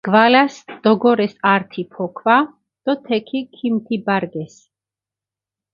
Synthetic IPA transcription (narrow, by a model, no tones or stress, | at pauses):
ɡ̥valasd̪̥ɔɡɔɾɛsaɾt̪ʰipʰɔkʰva | d̪̥ɔt̪ʰɛkʰikʰimt̪ʰibaɾɡɛs